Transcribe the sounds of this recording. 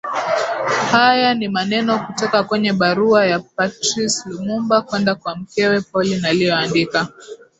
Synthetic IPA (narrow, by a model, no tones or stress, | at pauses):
hajanimanɛnɔkutɔkakwɛɲɛɓaɾuajap̚atɾislumumbakwɛndakwam̩kɛwɛpɔlinalijɔandika